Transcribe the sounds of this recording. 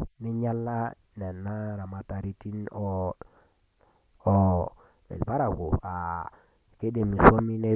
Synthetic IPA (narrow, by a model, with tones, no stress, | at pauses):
ne˦ɲa˦lːa˦ | ne˨nːa˦ɾa˨ma˨ta˨ɾi˦ti˦no˨ | o˨ | ḛ˨lba˦ɾa˨ko˨a˨ | ke˦de˨mi˨so˦mi˦ne˦